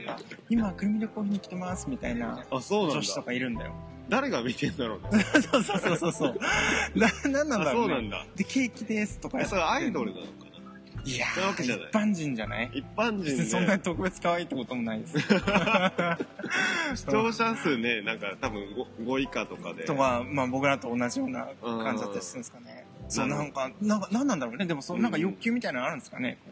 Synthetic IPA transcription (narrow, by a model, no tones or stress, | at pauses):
ka̰imakɯ̟ɾɯ̟mʲiɾʲokoːçʲiɲ̟ːikʲi̥t̪e̞masɨmʲit̪aina̰asoːnd͡ʑonɕid̥at̪o̞kaiɾɯ̟̃nd̪a̰jo̰ | d̪aɾe̞ɡamʲit̪ẽnd̪aɾonasoːsoːsoːsoːsoːnanãnːãnd̪aɾoːnãnd̪a̰d̪ekʰe̞ːkʲid̪e̞sɨ̥t̪o̞kajsoaid̪o̞ɾɯ̟na̰nokana | iaoβakeaina̰ipːãɲd͡ʑĩɲ̟d͡ʑana̰iipːãɲd͡ʑĩɲsõ̞nːaɲ̟it̪o̞kɯ̟be̞t͡sɨ̥kaβaiːt̪ːeko̞t̪omo̞naid̪esɨ | oːɕiasɨnenãŋkat̪abɯ̟̃ŋɡoɡo̞ikat̪o̞ka̰d̪et̪o̞kamaːbo̞kɯ̟ɾat̪o̞ːnːaʑijo̞ːna̰kãɲ̟d͡ʑid̪at̪ːaɾɾisɯ̃nsɨ̥kane̞ | soːnãŋkanãŋkanãnːãnd̪aɾoːne̞d̪e̞mo̞sonnãŋkajo̞kʲːɨːmʲit̪ainãaɾɯ̟̃nd̪sɨ̥kane̞̰